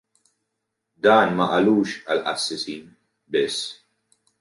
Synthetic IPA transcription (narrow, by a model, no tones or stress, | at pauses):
d̪ɐːnmɐʔɐluːʃɐlʔɐ̰sːɪsiːn | bɪsː